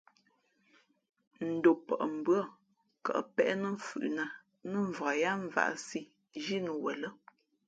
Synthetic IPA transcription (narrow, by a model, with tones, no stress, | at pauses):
n̩˨do˨pə˨ʔm̩˨bɰa˦˨ | ka̰˨ʔpɛ˦ʔnə˦fʉ̰˨ʔna˨ | nə˦˨ɱ˨va˨ja˦ɱ˦va̰˨ʔsi˦ | ʒi˦nə˨wɛ˨lə˦